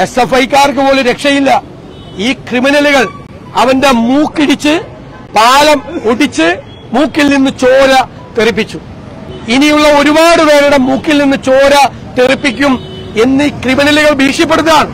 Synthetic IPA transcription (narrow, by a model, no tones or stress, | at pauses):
e̞sefɐjkːaːrkɨpo̞ːleɾe̞kʂɐjilːɐ | iːkriminɐluɣɐɭ | ɐʋɐnde̞muːkːiɽit͡ɕːɨ | paːlɐmuɽit͡ɕːɨ | muːkːilninːɨt͡ɕo̞ːɾɐ | t̪erip̬ːit͡ɕːu | inijuɭːɐo̞ɾubaːɽɨʋe̞ːɾejuɽe̞muːkːilninːɨt͡ɕo̞ːɾɐ | t̪eripːik̬ʲːum | e̞nːiːkriminɐluɣɐɭbʱiːkʂjɐp̬ːeɽuɐðɐðaːɳɨ